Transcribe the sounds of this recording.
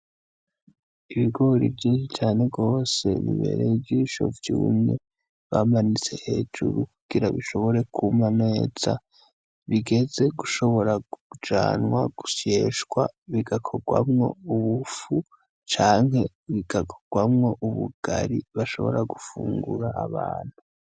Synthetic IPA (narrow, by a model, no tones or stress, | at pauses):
iβiɡo̞ɾḭvjiːnʃit͡ʃaːne̞ɡɡo̞ːse̞̰βḭβe̞̰ɾevjiʃo̞̰vjuːmɲe | βamanit͡se̞he̞ːd͡ʒuɾukuɡ̥iɾaβiʃo̞βo̞ɾe̞kʰumane̞ːz̥a̰ | βiɡe̞ze̞ɡuʃo̞βo̞ɾaɡud͡ʒaːnwaɡ̥uʃeːʃɡwaβiɡakʰo̞ɡwa̰mŋo̞̰uβufu | t͡ʃaːŋɦe̞ | βiɡakʰo̥ɡ̥wamŋo̞ʔuβuɡ̥aɾiβaʃo̞̰βo̞ɾaɡufuːŋɡuɾaːβaːn̥hu